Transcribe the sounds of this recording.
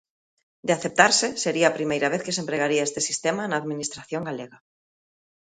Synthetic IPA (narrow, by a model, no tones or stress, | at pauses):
d̪ɪaθep̚t̪aɾsɪseɾiɐːpɾimejɾɐβ̞eθkɪsempɾeɣaɾiaest̪esist̪emanaːðminist̪ɾaθjoŋɡaleɣɐ